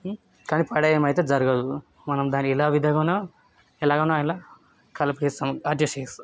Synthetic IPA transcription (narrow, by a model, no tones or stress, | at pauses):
kaːnipɐɽɐjɐmɐjt̪eːd͡ʒɐɾuɡɐd̪u | mɐnɐmd̪aːniɛlaːʋid̪ʱɐɡɐna | ɛlaːɡɐnaaːjnlɐ | kɐlɐpʈist̪ɐmɐd̪jɐʂes